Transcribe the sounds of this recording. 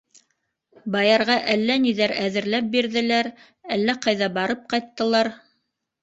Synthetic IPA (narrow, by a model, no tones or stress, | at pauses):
bɑjɑɾʁɑʔælːæniðæɾæðɘ̆ɾlæp̚biɾðɘ̆læɾ | ælːæqɑjðɑbɑɾɤp̚qɑjt̪ːɤ̆lˠɑɾ